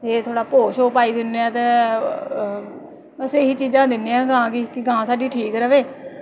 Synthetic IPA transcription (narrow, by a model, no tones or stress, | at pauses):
eːt̪ʰoːɽaːpoːʃoːpaːiːd̪ɪneːãːt̪ẽː | məseːɦiːt͡ʃiːd͡ʒãːd̪ɪnːeːãːɡãːkiːkɪɡãːsaːɖiːʈʰiːkɾəʋeː